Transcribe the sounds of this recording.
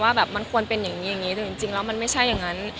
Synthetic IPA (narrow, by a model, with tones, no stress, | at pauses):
waː˥˩bɛː˨˩p̚ma˧nkʰu˧ənpe˧nja˨˩ŋːiː˦˥ja˨˩ŋːiː˦˥t̪ɛ˧˩t͡ɕi˨˧˩ŋt͡ɕi˧ŋlɛː˦˥wma˧nma˥˩jt͡ɕʰa˥˩jːa˨˩ŋːa˦˥n